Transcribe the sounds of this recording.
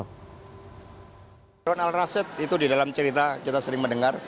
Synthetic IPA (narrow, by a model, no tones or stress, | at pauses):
ɾɔnalrasɪt̪̚it̪udidalamt͡ʃəɾit̪akit̪asəɾɪŋməndəŋar